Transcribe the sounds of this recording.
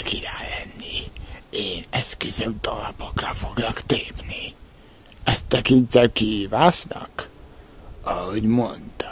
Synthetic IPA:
kiɾaːlɛnːieːnɛskøzemt̪ɒlɒpokrɒfo̞ɡnɒkt̪eːpni | ɛst̪ɛkint̪ɛkihiːvaːʃnɒ̰k | ɒho̞ɟmo̞nt̪ɒ̥

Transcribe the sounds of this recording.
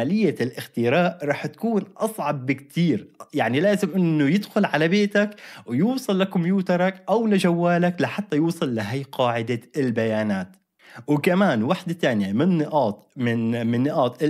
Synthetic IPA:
alɪjːalʔɪxt̪ɪɾaːʔɾˤɑːħt̪ḁkuːnʔɑsˤʕɑb̚ːɪkt̪iːɾjaʕnilaːzɪmʔɪnːʊjɪd̪xʊlʕalabeːt̪akwjuːsˤɨlːakʊmjuːt̪ɑɾˤɑkʔawlɪʒawːaːlaklaħat̪ːajuːsˤɨlːɪɦajːqɑːʕɪd̪aɪlbajaːnaːt̪ | wɪkamaːnwaħd̪at̪aːnɪjamɪnːɪʔɑːt̪ˤmɪnmɪnːɪʔɑːt̪ˤɪ

